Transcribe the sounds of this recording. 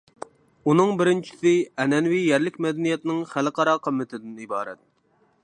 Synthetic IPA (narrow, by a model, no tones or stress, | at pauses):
unɨŋbɪɾɪnt͡ʃʰi̥sɪɛnɛnwijɛɾlɪkʲmɛd̪ɛnijɛt̪nɪŋχælɨqʰɑɾɑqʰəmːɪt̪ʰɪd̪ɪnibɑːɾɛ̰t̪̚